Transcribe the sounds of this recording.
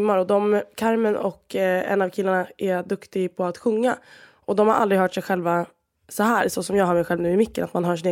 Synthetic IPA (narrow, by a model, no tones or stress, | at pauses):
mːaɾɔd̪ɔmkʰaɾmənɔkːɛ̰nːavkʰɪlːaɳaʔæd̪ɵkt̪ɪɡpʰɔat̪ɧɵŋːa̰ | ʔɔd̪ɔmhaɾʔa̰ld̪ɾɪɡɦœːʈʂɛjɧɛlva | sɔɦæːɾsɔsɔmjɑːɡɦaːɾmɛjɧɛlvnʉ̟ːɪmʏkːə̰nat̪manɦɑːʂ̬ɪneː